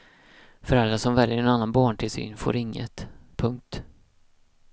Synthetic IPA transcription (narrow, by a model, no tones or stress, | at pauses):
fœɾalɾasɔmvɛljəɾɛnanːanbɑːɳʈʰɪlsy̰ːnfo̰ːɾɪŋːə̰t̪pʰɵŋk̚t̪